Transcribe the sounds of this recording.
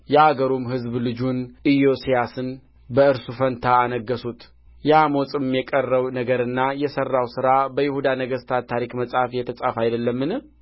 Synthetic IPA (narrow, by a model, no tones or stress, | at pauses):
jɛaɡəɾomhɨzblɨd͡ʒunʔijo̞sijasɨn | bəɨɾsufənt̪ʰaːnəɡːəsut̪ | jamot͡sʼɪmːjɛkʼərːəwnəɡəɾɨnːajɛsərːawsɨɾabəjɪhud̪anəɡəst̪ʰatt̪ʰːaɾikməsʼafjɛt̪ʰəsʼafajd̪əlːəmːɨnɨ